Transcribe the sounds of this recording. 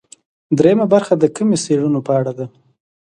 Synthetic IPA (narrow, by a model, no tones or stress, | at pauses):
d̪ɾejamabaɾxad̪əkəmeseɽunopəaɽad̪a